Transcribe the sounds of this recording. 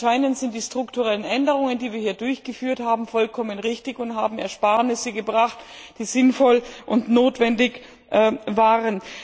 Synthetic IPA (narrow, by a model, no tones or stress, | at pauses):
ʃaɪnəntz̥ɪnt̚d̥iːstʁ̥ʊktuʁɛlənʔɛndəʁ̞ʊŋəndiːviːɐhiːɐdʊɐçɡ̥əfyːɐthaːbm̩fɔlkʰɔmənʁɪçtɪçʊntɦa̰ːbm̩ɛɐʃpaːɐnɪsəɡəbʁaχtd̥iːzɪnfɔlʔʊntnoːtv̥ɛndɪç | ʔvaːʁən